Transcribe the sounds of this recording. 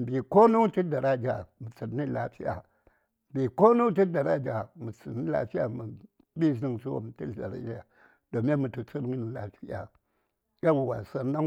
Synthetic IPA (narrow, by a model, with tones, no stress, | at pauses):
m˨bi˨ko˦nu˦ti˦da˨ɾa˦d͡ʒa˨mu˨t͡si˨˦ni˦la˦fi˦ja̰˨ | m˨bi˨ko˦nu˦ti˦da˨ɾa˦d͡ʒa˨mu˨t͡si˨ni˦la̰˨fi˦ja̰˨mu˨ | bi˦zi˦ŋsu˦wo̰˨m˨ti˦˨da˨ɾa̰˦d͡ʒa˨ | d̥o˨me˦nmu˨tu˨t͡su˦ɾni˦ni˨la̰˨fi˦ja̰˨ | ɡa˦wu˨wa˨sa˨ɾna˦